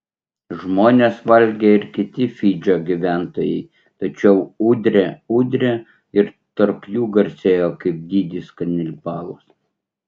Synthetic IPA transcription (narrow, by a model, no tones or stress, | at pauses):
ʒmoːnʲeːsʋɐlʲɡʲeːɪɾkʲɪt̪ʲɪfʲiːd͡ʒʲoːɡʲiʋʲæˑnt̪oːjɛɪ | t̪ɐt͡ʃʲɛʊuːd̪ʲɾʲeuːd̪ʲɾʲe | ɪɾ | t̪ɐɾpjuːɡɐɾʲsʲeːjoːkɐɪp̚d̪ʲiːd̪ʲiskɐnʲɪlʲpɑːlˠoːs